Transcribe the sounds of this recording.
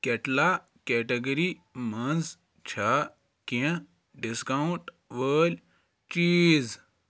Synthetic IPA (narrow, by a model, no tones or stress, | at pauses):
keʈla | kɛːʈeɡɐɾimɐnz | t͡ʃʰa | kẽ | ɖiskauɳʈ | ʋəːlʲ | t͡ʃiːz